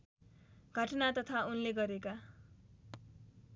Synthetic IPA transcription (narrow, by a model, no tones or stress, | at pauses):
ɡ̥ʱʌʈʌnat̪ʌt̪ʰaunleɡʌɾeka